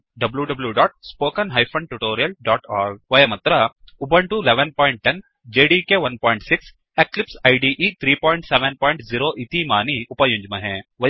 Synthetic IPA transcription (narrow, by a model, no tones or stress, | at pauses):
ɖɐbljuɖɐbljuɖaːʈ̚spoːkɐnɦɐjpʰɐ̃ɳɖ̚ʈuʈoːɾijɐlɖaːʈaːɾɡ̚ʋɐjɐmɐt̪ɾɐubɐɳʈuleʋenpɔːɪɳʈ̚ʈen | d͡ʒeːɖikeʋɐnpɔːɪɳʈsiks | eklipsɐjɖiʔiːt̪ʰɾiːpɔːjɳʈseʋenpɔːjɳʈziɾoːʔit̪imaːniupɐjũɲd͡ʒmɐɦẽːʋɐ